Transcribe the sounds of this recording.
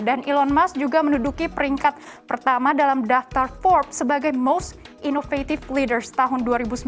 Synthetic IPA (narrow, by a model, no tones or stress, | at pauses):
danʔilɔnmasd͡ʒuɡamənudukipəɾiŋkat̪̚pərt̪amadalamdaft̪arfɔrp̚səbaɡajmos | ʔinofet̪iflidərst̪aɦʊnduaɾibusə